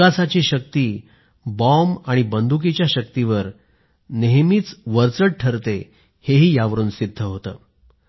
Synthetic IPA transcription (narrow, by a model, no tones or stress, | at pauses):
asat͡ɕiːɕək̚t̪iː | bɔmaɽ̃ibənd̪ʱuk̬it͡ɕjaɕək̚t̪iʋəɾ | neɦmiːt͡sʋəɾt͡səɽʈʰəɾt̪e | heɦiːjaʋəɾuːnsid̪ʱːəɦot̪ə̰ː